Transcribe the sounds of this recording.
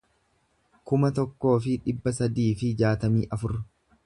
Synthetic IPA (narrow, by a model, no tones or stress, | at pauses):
kʊmɐt̪ɔkːo̞ːfɪᶑɪbːɐs̬ɐd̪iːfɪd͡ʒaːt̪ɐmiːʔɐfʊɾ